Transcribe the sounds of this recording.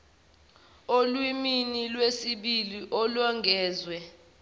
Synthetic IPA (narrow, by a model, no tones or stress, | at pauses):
olwiminilwesiɓiliʔɔlɔŋɡʱɛːzwɛ